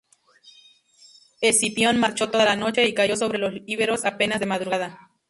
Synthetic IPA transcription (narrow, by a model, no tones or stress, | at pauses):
esipjonmaɾt͡ʃot̪oðalanot͡ʃeikaʝoso̞βɾelosiβeɾosapenazðe̞maðɾuɣaða